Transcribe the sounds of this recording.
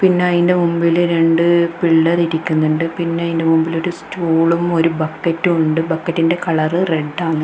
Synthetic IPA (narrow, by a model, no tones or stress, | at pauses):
pinːe̞ɐðinde̞mumbilɾe̞ɳɖɨpiɭːɐriɾikʲːunːuɳɖɨpinːe̞ɐðinde̞mumbilo̞ɾustuːɭumo̞ɾubɐkːɐtːuuɳɖɨbɐkːɐtːinde̞kɐɭɐrɨre̞ɖːaːɳːɨ